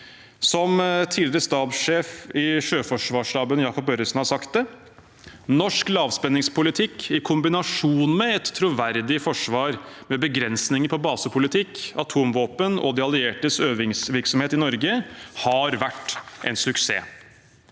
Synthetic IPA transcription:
sɔmt̪ʰiːlɪɾəst̪ɑːbʂeːfɪʂøːfɔʂʋɑːʂlɑːbənjɑːkɔpœɾəsn̩hɑsɑkt̪̚d̪ɛ | nɔʂklɑːʋspɛnːɪŋspʰʊlɪt̪ʰɪkːɪkʰʊmbɪnɑʂuːnmɛɛt̪ʰːɾuʋæɾd̪ɪfɔʂʋɑːɾmɛbəɡɾɛnsnɪŋəpʰɔbɑːsəpʰʊlɪt̪ʰɪkɑt̪ʰuːmʋoːpənɔ̰d̪ɛɑlɪeːʈəsøːʋɪŋsʋɪɾksɔmheːt̪ɪnɔɾɡəhɑɾʋæʈːʔɛ̰nsʉksḛː

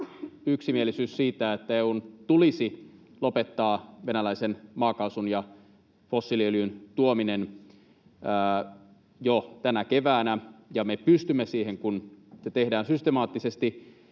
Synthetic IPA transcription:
yksimielisyːssiːt̪æet̪ːæeunt̪ulisi | lopet̪ːɑːʋenælæisenmɑːkɑusunjɑ | fosːilieøljynt̪uominen | əː | jot̪ænækeʋæːnæjɑmepyst̪ymːesiːheŋkunset̪ehdæːnsyst̪emɑːt̪ːisest̪i

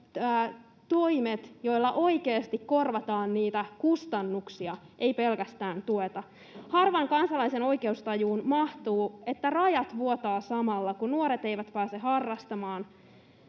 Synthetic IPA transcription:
æː | t̪o̞jmet̪jo̞jlːɑʔo̞ikeːst̪ikko̞rʋɑt̪ɑːnniːt̪ækust̪ɑnːuksiɑʔejpe̞lkæst̪æːnt̪uet̪ɑ | hɑrʋɑŋkɑnsɑlɑiseno̞jke̞ust̪ɑjuːnmɑht̪uːe̞t̪ːærɑjɑt̪ʋuot̪ɑːsɑmɑlːɑkunuoɾet̪ejʋæt̪pæːseɦɑrːɑst̪ɑmɑːn

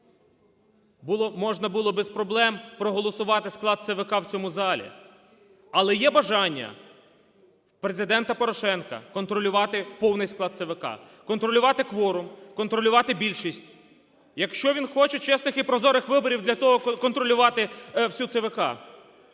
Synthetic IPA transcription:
buɔmɔʒnɐbʊlˠɔbespɾɔblˠɛmpɾɔɦɔlˠɔsʊʋɑt̪ɪsklˠɑd̪̚t̪seʋɪkɑwt͡sʲɔmuzɑlʲḭ | ɐlˠɛjɛbɐʒɑnʲːɐ̰ | pɾe̞zɪd̪ɛnt̪ɐpɔɾɔʃɛnkɐ̰kɔnt̪ɾɔlʲʊʋɑt̪ɪpɔwnɪjsklˠɑd̪̚seʋɪkɑ̰ | kɔnt̪ɾɔlʲʊʋɑt̪ɪkʋɔɾʊmkɔnt̪ɾɔlʲʊʋɑt̪ɪbʲilʲʃisʲtʲ | jɐkʃt͡ʃɔʋʲinxɔt͡ʃɛt͡ʃɛsnɪxipɾɔzɔɾɪxʋɪbɔɾʲiwd̪lʲɐt̪ɔɦɔkɔnt̪ɾɔlʲʊʋɑt̪ɪwsʲut̪seʋɪkɑ̰

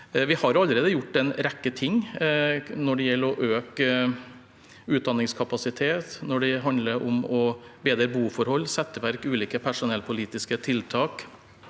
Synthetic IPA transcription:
ʋɪhɑɾɑləɾeːd̪əjʊʈːɛnɾɛkːət̪ʰɪŋː | nɔɖɛjɛlːɔʔøːk | ʉːt̪̚d̪ɑnːɪŋskʰɑpɑsɪt̪ʰeːt̪nɔɖɛɦɑnd̪ləɾʔʊ̰mɔbeːd̪ɾəbuːfɔɾhɔlːsɛt̪ːəʋæɾkʉːliːkəpʰæʂʊnɛlpʰʊliːt̪ɪskət̪ʰɪlt̪ʰɑːk

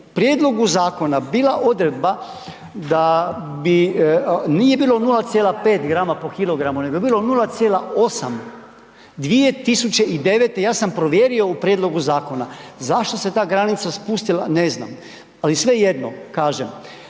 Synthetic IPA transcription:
pɾjeːd̪lo̞ɡuzaːko̞nabiːlaʔo̞d̪ɾed̪̚ba | d̪abi | niːje̞biːlo̞nulat̪jeːlapeːt̪ɡɾaːmapo̞kilˠo̞ɡɾamuneɡobiːlo̞nulat̪sjeːlao̞sam | d̪ʋie̞t̪isut͡ʃe̞ʔid̪e̞ʋet̪ejaːsampɾo̞ʋjeːɾio̞upɾjed̪lo̞ɡuzaːko̞nazaʃt̪o̞se̞t̪aːɡɾanit̪saspust̪ilanezna̰m | alisʋe̞je̞d̪no̰kaːʒem

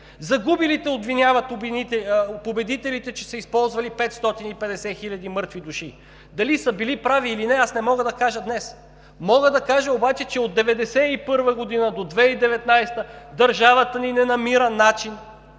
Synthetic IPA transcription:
zɐɡubilit̪ɛob̪vinʲjavət̪b̪it̪ɛpobɛd̪it̪ɛlit̪ɛt͡ʃɛsəispɔlˠzvɐlipɛt̪st̪ɔt̪inipɛd̪ɛsɛxilʲɐd̪imɤɾt̪vid̪uʃi | d̪ɐlisɐbilipɾaviːlinɛasnɛmɔɡəd̪ɐkaʒəd̪nɛs | mɔɡəd̪ɐkaʒɐobat͡ʃɛt͡ʃɛod̪d̪ːɛvɛd̪ɛsɛipɤɾvəɡod̪inəd̪od̪vɛid̪ɛvɛt̪najst̪əd̪ɐɾʒavət̪əninɛnɐmiɾənat͡ʃin

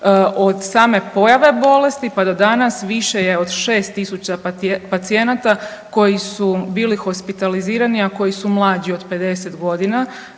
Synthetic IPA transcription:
ʔo̞d̪saːme̞po̞jaʋe̞bo̞le̞st̪ipad̪o̞d̪anasʋiʃe̞jeo̞d̪ʃe̞ːst̪ːisut͡ɕapat̪sie̞nat̪ako̞jisubiːlixo̞spit̪aliziːɾaniako̞jisumlˠaːd͡ʑio̞d̪pe̞d̪e̞set̪ɡo̞d̪ina

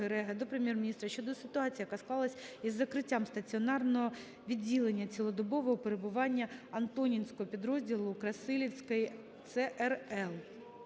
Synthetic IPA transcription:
eɾɛɦɐd̪ɔpɾemʲjermʲnʲist̪ɾɐʃt͡ʃɔd̪ɔsɪt̪ʊɑt͡sʲijɐkasklˠɑlˠɐsʲizːɐkɾɪtʲːamst̪ɐt͡sʲiɔnɑrnɔɦɔ | ʋʲidʲːilˠenʲːɐt͡sʲilˠɔd̪ɔbɔʋɔɦɔpeɾebʊʋɑnʲːɐɐnt̪ɔnʲinʲsʲkɔɦɔpʲid̪ɾɔzʲdʲilˠʊkɾɐsɪlʲiwsʲkɐji | t̪sɛʔɛrɛlˠ

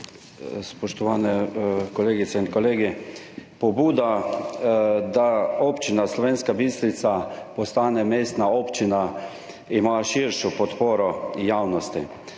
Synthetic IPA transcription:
spɔʃt̪ɔʋaːnɛkɔleːɡit̪sɛinkɔleːɡi | pɔbuːd̪a | d̪aoːpt͡ʃinaslɔʋeːnskabist̪ɾit̪sapɔst̪aːnɛmeːst̪naɔːpt͡ʃina | imaːʃiɾʃɔpɔt̪poːɾɔjaːwnɔst̪ḭ

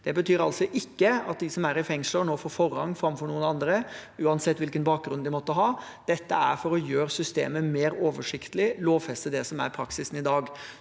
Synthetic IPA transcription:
d̪̥ɛbət̪ʰyːɾɑlsɔʔɪkːəɑt̪̚d̪ɪsɔmæɾɪfɛŋsləɔnoːfoːɾfɔɾhɑ̰ŋːfɾɑmfɔɾɳuːənɑnd̪ɾəʉːɑnsɛt̪ːʋɪlkənbɑːk̚ɡɾʉnd̪ɪmɔt̪ːəɦɑː | d̪̥ɛt̪ːəæɾfɔɾɔjøːɾsʏst̪ḛːməmeːɾoːʋəʂɪkt̪əlɪloːʋfɛst̪əd̪ɛsɔmæ̰ɾpʰɾɑksɪsn̩ɪd̪ɑːɡ

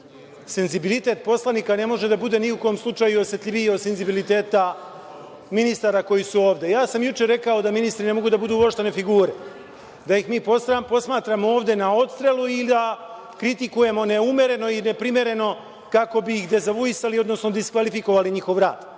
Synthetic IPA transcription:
se̞nzibilit̪e̞ːt̪̚po̞slˠaniːkane̞mo̞ʒed̪abud̪e̞ːniuko̞omslˠut͡ʃaːjuo̞sje̞t̪ʎʲiʋijod̪se̞nzibilit̪e̞ːt̪a | minist̪aːɾako̞jisuo̞ːʋd̪e̞jaːsamjut͡ʃe̞ɾe̞kao̞d̪aminist̪ɾine̞mo̞ɡud̪abud̪uːoʃt̪ene̞fiɡuːɾe̞ | d̪ajixmiːpo̞st̪ɾapo̞smaːt̪ɾamooːʋd̪e̞nao̞t̪st̪ɾe̞lˠuild̪a | kɾit̪ikuje̞mo̞ne̞umʲje̞ɾe̞no̞ine̞pɾimje̞ɾe̞no̞ | kako̞biixd̪e̞zaʋujisalio̞d̪no̞sno̞d̪iskʋalifiko̞ʋaliɲixo̞ʋɾa̰ːd̪̥

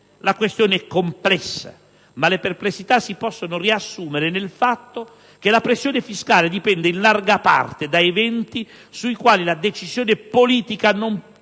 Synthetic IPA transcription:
lakwest̪joːneɛkːomplɛsːa̰ | maleperplesːit̪asːipɔsːonʊriasːuːmeɾenelfat̪ːo | k̟elapɾesːjoːnefiskaːled̪ipɛnd̪einlarɡapa̰rt̪ed̪aevɛnt̪i | suikwaːlilad̪et͡ʃizjoːnepoliːt̪ikanom

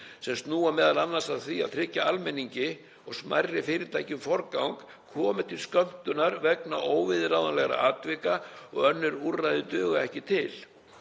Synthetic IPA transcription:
sɛmst̪nuːamɛːðalanːasaðθiaðθʰɾɪcːaalmɛniɲcɪ | ɔɣsma̰jrːɪfɪːɾɪt̪ʰaːjcʏmfɔɾkawŋkʰː | ɔːmɪt̪ʰɪlskœm̥t̪ʏnaɾvɛknaʔoːwvɪðrawðanlɛɣɾa̰aːt̪vɪkaɔɣœnːʏɾurːajðɪt̪œːɣaɛhcɪt̪ʰɪl

